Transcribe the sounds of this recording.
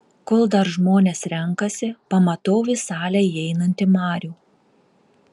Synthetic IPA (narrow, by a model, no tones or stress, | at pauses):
koːlˠd̪ɐɾʒmoːnʲeːsɾʲɛŋˑkɐsʲɪpɐmɐt̪oːʋʲɪsɑːlʲɛjɛɪnɐnʲt̪ʲɪmɑːɾʲuː